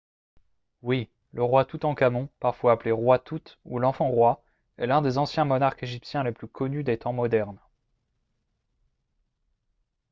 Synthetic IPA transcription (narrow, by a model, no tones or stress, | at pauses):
wi | ləʁwat̪ut̪ɑ̃kamɔ̃paʁfwaːpleʁwat̪ut̪ulɑ̃fɑ̃ʁwa | ɛlɛ̃d̪ezɑ̃sjɛ̃mɔnaʁkeʒipsjɛ̃leplykʰɔnyd̪et̪ɑ̃mɔd̪ɛʁn